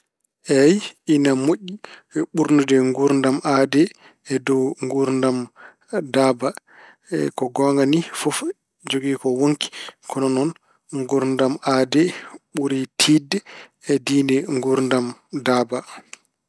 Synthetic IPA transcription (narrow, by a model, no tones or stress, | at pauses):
ʔɛjinamoʔːiɓuɾnudɛŋɡuɾndamʔaːdɛː | dɔŋɡuɾndam | daba | ɛkɔɡɔŋɡanifɔf | d͡ʒoɡiːkɔwoŋki̥kʰɔnɔnɔn | ŋɡuɾndamadɛɓuɾitʰiːdɛɛdiːnɛŋɡuɾndamdaba